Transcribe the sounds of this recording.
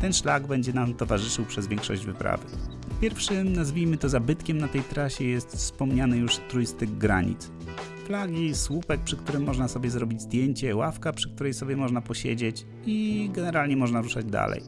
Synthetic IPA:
t̪ɛnʂlaɡbɛɲd͡ʑɛnamt̪ɔvaʐɘʂɘwpʂɛzvʲjɛŋkʂɔ̰ʑd͡ʑvɘpɾa̰vɘ̰ | pʲjɛɾfʂɘmnazvʲijmɘt̪ɔzabɘt̪kʲɛmnat̪ɛjt̪ɾaɕɛjɛst̪fspɔmɲanɘjuʂt̪ɾujst̪ɘɡɡɾa̰ɲḭt̪s | flaɡʲiswupɛk̚pʂɘkt̪uɾɘmːɔʐnasɔbʲjɛzɾɔbʲid͡ʑzd̪ʲjeɲt͡ɕɛwafkapʂɘ̥k̚t̪uɾɛjsɔbʲjɛmɔʐnapɔɕḛd͡ʑet͡ɕ | iɡɛnɛɾalɲɛmɔʐnaɾuʂad͡ʑd̪a̰lɛ̰j

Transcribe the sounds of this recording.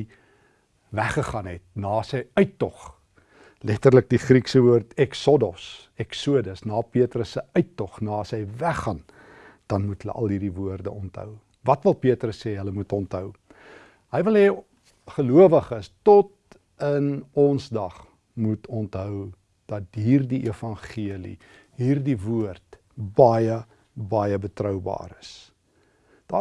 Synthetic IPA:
væχəχɐnɦɛt̚nɑːsəjœɥtːɔχ | lɛtərlək̚diχriksəvuərtɛksɔdɔs | ɛksuədəsnɑːpiətrəsəœɥtːɔχnɑːsəjvæχːɐn | d̥ɐnmutɦələ̰ʔɐ̰lˠɦiːrivuərdəʔɔntɦœ̰w | vɐtvəlˠpiətrəsːeːɦələmutɔntɦœw | ɦəjvəlˠɦɛː | χəluəvəχəstɔt | ənɔnsdɐχ | mutʰɔntɦœw | d̥ɐtɦiːrdiʔifɐnχiəlḭ | ɦiːrdivuərt | bɐjə | bɐjəbətrœwbɑ̰ːɾəs | d̥ɑː

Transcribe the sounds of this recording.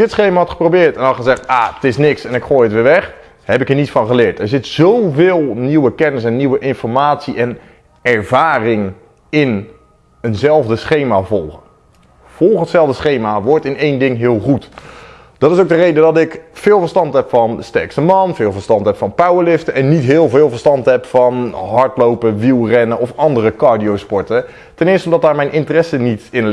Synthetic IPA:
dɪtsχejmaɦɑtχə̥prowbɪːɹtɛnɑlˠχəzɛχtaːtɪsnɪksɛnɪkχoːjətʋɪːɹʋɛχ | hɛp̬ɪkənitsfɑnχəlɪːtɛɹzɪtz̥owvɪːlˠniwəkɛnəs̬ɛnːiwəʔɪnfɔɹmaːtsiʔɛn | ɛɹvaːrɪŋ | ɪn | ənzɛlˠvdəsχejmavɔlˠχə | v̥ɔlˠχəətsɛlˠvdəsχejmaʋɔɹtɪnejndɪŋɦɪːlˠχut | d̥ɑtɪs̬owɡ̚dərejdədɑtɪkfɪːlˠvəɹstɑntɦɛpfɑnstɛɹkstəmɑnvɪːlˠvəɹstɑntɦɛpfɑnpawəɹlɪftəɛnːitɦɪːlˠvɪːlˠvəɹstɑntɦɛpfɑnɦɑɹtlowpəʋilˠrɛnəɔfɑndərəkɑːɹdiowspɔɹtə | tɛnɪːɹstəɔmdɑtdaːɹmɛjnʔɪntərɛsənitɪn

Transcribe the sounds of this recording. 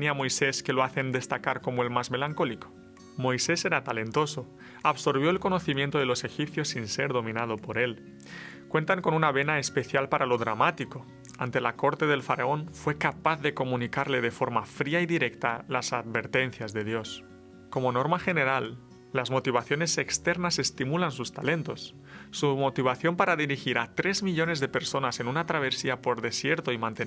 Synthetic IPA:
niamojseske̞loaθe̞nd̪e̞st̪akaɾko̞moe̞lmazme̞laŋko̞liko̥ | mo̞jseseɾat̪ale̞nt̪o̞so̞ | aβso̞ɾβ̞joelko̞noθimjent̪oð̞e̞lo̞se̞xip̚θjo̞sːinse̞ɾðo̞mĩnað̞o̞po̞ɾe̞l | kwe̞nt̪aŋko̞nunaβ̞e̞naespe̞θjalpaɾʔalo̞ðɾamat̪iko̞ | ant̪e̞lako̞ɾt̪e̞ðe̞lfaɾao̞nfwe̞kapaθðe̞ko̞mũnikaɾle̞ð̞e̞fo̞ɾmafɾiaiðiɾe̞kt̪alasad̪βe̞ɾt̪e̞nθjazðe̞ðjo̞s | ko̞mo̞no̞ɾmaxe̞ne̞ɾalː | azmo̞t̪iβ̞aθjo̞ne̞se̞kst̪eɾnase̞st̪imulansust̪ale̞nt̪o̞sː | umo̞t̪iβ̞aθjo̞mpaɾaðiɾixiɾat̪ɾe̞zmiʎo̞ne̞zðepe̞ɾso̞nase̞nunat̪ɾaβ̞e̞siapo̞ɾðe̞sje̞ɾt̪oimãnt̪e

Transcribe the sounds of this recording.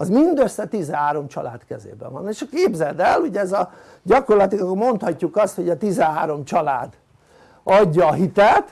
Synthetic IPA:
ɒzmind̪øsːɛt̪izɛɦaːɾo̞mt͡ʃɒ̰la̰ːt̪kɛ̰zḛːbɛ̰ʋɒ̰neːʃɒkeːbzɛd̪ɛluɟɛɛzɒ | ɟɒko̞rlɒt̪ikmo̞nt̪hɒcːukɒst̪ho̞ɟɒt̪izɛɦaːɾo̞mt͡ʃɒlaːd̪ | ɒɟːɒːɦit̪ɛt̪

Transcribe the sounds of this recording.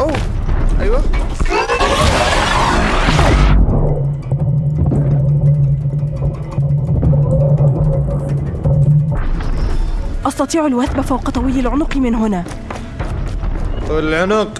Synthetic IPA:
ʔajwa | ʔɑsˤt̪ɑt̪ˤiːʕalwaθbafawqɑt̪ˤɑwijːalʕʊnʊqmɪnɦʊnaː | wɪlʕʊnʊq

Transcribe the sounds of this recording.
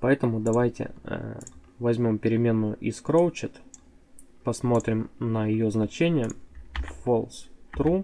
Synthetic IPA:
pɐɛt̪əmʊd̪ɐvajtʲɪ̰ | vɐzʲmʲo̞mpʲɪɾʲɪmʲe̞nːʊjʊʔɪskɾowt͡ɕɪt̪ | pɐsmo̞t̪ɾʲɪmnəjɪjoznɐt͡ɕenʲɪjəfolˠst̪ɾu

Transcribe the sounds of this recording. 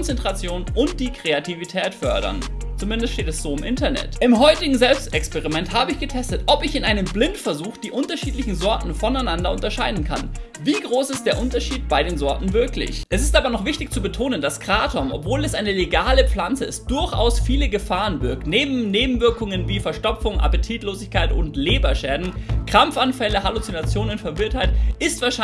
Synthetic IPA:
ɔnt͡sɛntʁ̥at͡sjoːnʔʊnt̚d̥iːkʁ̥eatʰivitʰɛːtfœɐdɐ̰nt͡sumɪndəstʃteːtɛsz̥oːɪmʔɪntɐnɛ̰tʔɪmɦɔʏtɪɡŋ̩zɛlpstɛkspɛʁimɛnthaːbəɪçɡ̥ətʰɛstətʔɔpɪçɪnʔaɪnəmblɪntfɛɐzuːxd̥iːʔʊntɐʃiːtlɪçn̩zɔɐtn̩fɔnaɪnandɐʊntɐʃaɪdn̩kʰan | viːɡʁoːsɪstd̥eːɐʔʊntɐʃiːt̚b̥aɪdeːnzɔɐtn̩vɪɐklɪ̰çʔɛsɪstʔaːbɐnɔχv̥ɪçtɪçt͡subətʰoːnəndaskʁ̥aːtʰɔmʔɔ̰pv̥oːlɛsʔaɪnəleɡaːləp͡flant͡səɪst̚d̥ʊɐçʔa̰ʊsfiːləɡəfaːʁənvɪɐk̚tneːbm̩neːbm̩vɪɐkʊŋənviːfɛɐʃtɔpp͡fʊŋʔa̰pətʰiːtloːzɪçkaɪtʊ̰ntleːbɐʃɛːdn̩kʁ̥amfʔanfɛləɦalut͡sinat͡sjoːnʊntfɛɐvɪɐthaɪtʔɪstv̥aːɐʃa

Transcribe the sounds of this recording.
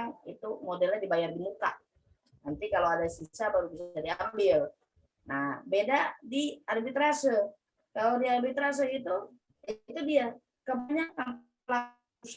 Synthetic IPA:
ŋḭt̪umodɛlɲadibajardimuka̰ʔ | nənt̪ikalowadasisabaɾubisadiambɪl | nahbedadiarbit̪ɾasə | kalodiarbit̪ɾas̬əit̪u | it̪udia | kəbaɲakːam | la | us

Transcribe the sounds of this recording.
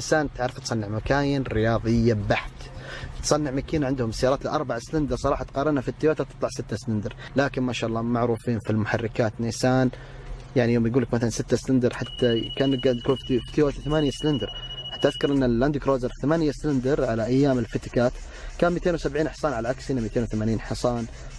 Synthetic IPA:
nɪsaːnt̪ʕaʕɾɪft̪sˤɑnːɪʕmakaːjɪnɾɪjɑːðˤɪjːabaħt̪t̪sˤɑnːɪʕmakiːnʕɪnd̪hʊmsajɑːɾɑːt̪lɪʔɑɾˤbaʕslɪnd̪ɪɾsˤɑɾˤɑːħɑt̪qɑːɾˤɑnafit̪ːɪjwaːt̪at̪ɨt̪ˤlɑʕsɪt̪ːaslɪnd̪ɪɾ | laːkɪnmaːʃaːʔɑlˤːɑːmaʕɾuːfiːnfilmʊħarːɪkaːt̪nisaːn | jaʕnijoːmjɡuːlːɪkmaθalansɪt̪ːaslɪnd̪ɪɾˤħat̪ːakaːnɪɡad̪ɡuːlffi̥t̪ɪjwaːt̪iθamaːnjaslɪnd̪ɪɾˤħḁt̪ːaʔaðkɑɾˤʔɪnːalːand̪ɪkɾoːzɑɾˤθamaːnjaslɪnd̪ɪɾˤʕalaʔajːaːmɪlfɪt̪kaːt̪ | kaːnmijt̪eːnwsabʕiːnħsˤɑːnʕalaʕaksɪːnːamiːt̪eːnwθamaːniːnħɑsˤɑːn

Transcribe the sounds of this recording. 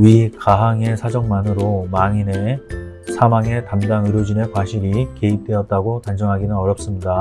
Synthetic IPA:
ɥikaɦaŋe̞sʰad͡ʑʌŋmanɯɾomaŋine | sʰamaŋe̞tamdaŋɯɾjod͡ʑine̞kwaɕʰiɾike̞ip̚t͈we̞ʌt̚t͈aɡotand͡ʑʌŋɦaɡinɯnʌɾjʌp̚s͈ɯmɲida

